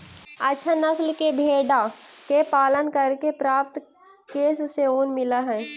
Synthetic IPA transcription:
ətːʃʰanəslkebʱeːɖakepaːlənkəɾkepɾaːp̚t̪ | keːsseuːnmɪlaɦɛ̃

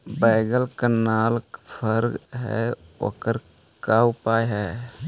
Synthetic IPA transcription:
baɪɡəlkənaːlkpʰəɾɡɦɛ̰o̰ːkəɾ | kaʊpaːjɦɛ

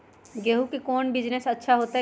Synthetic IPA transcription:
ɡeɦukekoːnbɪd͡ʒnesɐtːʃʰaɦoːt̪a

